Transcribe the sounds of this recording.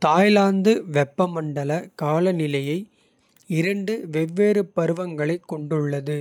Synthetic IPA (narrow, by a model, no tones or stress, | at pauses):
t̪aːjlaːnd̪ɯʋɛpːɐmɐɳɖɐlɐkaːlɐnɪlɐjɐɪ | ɪɾɐɳɖɯʋɛʋːeːɾɯpɐɾɯʋɐŋɡɐɭɐɪkːɔɳɖɯɭːɐðɯ